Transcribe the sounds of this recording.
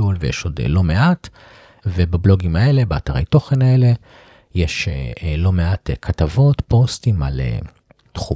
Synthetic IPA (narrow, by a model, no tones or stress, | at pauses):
ulvejḛʃo̞d̰lo̞meʔat | vebablo̞ɡimae̞le̞beataʁḛjto̞χe̞nae̞le̞ | jeʃelo̞meatkʰatavo̞tpo̞stima̰lḛ | tχu